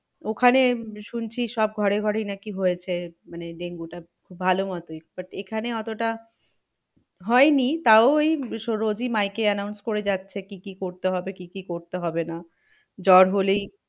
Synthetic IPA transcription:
okʰaneʃunt͡ɕʰiʃɔb̚ɡʱɔɾeɡʱɔɾejnakiɦojet͡ɕʰemaneɖeŋɡuʈa | kʰubbʱalomɔt̪ojbaʈekʰaneɔt̪oʈa | ɦɔenit̪aoejʃoɾod͡ʑimajkeɛnawnskoɾed͡ʑatːɕʰekikikoɾt̪eɦɔbekikikoɾt̪eɦɔbena | d͡ʑɔɾɦolej

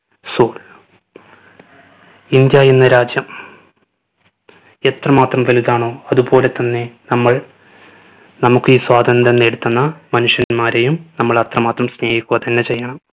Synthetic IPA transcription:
soːl | ind̪jaːjenːɐɾaːd͡ʑjɐm | e̞t̪rɐmaːt̪rɐmʋɐliðaːɳo̞ːɐðubo̞ːle̞t̪ːɐnːe̞nɐmːɐɭ | nɐmukːɨiːswaːd̪ʱɐnd̪ɐnːe̞ɽut̪ːunːɐmɐnuʂjɐnmaːɾejumnɐmːɐɭɐt̪rɐmaːt̪rɐmsneːjikʲːuɣɐt̪ɐnːe̞t͡ɕe̞jːɐɳɐm

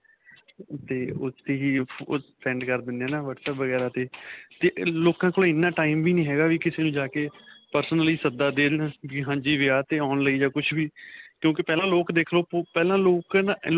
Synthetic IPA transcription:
t̪eːʊt̪eːɦiːpʰɾɛ̃ːɳɖkəɾd̪ɪnːãːnaːʋəʈsɛːpʋəɡɛːɾãːt̪eːt̪eːloːkãːkoːlẽːɪnːãːʈaːimʋiːnĩːɦɛːɡaːʋiːkɪseːnũːd͡ʒaːkeːpəɾsənəliːsəd̪aːd̪eːʋiːɦãːɲd͡ʒiːʋeaːt̪eːaːnləiːd͡ʒaːkʊt͡ʃʰʋiːkjõːkɪpɛːlãːloːkd̪eːkʰloːpopɛːlãːloːkn

